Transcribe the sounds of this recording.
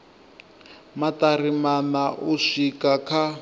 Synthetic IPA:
matarimanaʔuʂikakʰa

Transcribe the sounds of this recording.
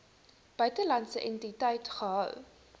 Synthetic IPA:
b̥œɥtəlɐntsəʔɛntitəjtχəɦœw

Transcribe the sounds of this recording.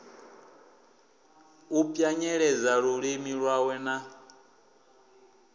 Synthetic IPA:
upʰʼjaɲɛɺɛd͡zaɺuɺimiɺwawɛna

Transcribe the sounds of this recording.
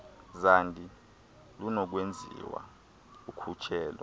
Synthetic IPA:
zaːndʼi | lunɔk̬wend͡zʱḭwa̰ | ukʰut͡ʃʰɛːlɔ

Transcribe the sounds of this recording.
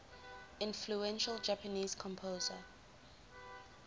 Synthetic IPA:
ĩnfluɛ̃nʃald͡ʒapʰaniːzkʰɔ̃mpʰozə̰

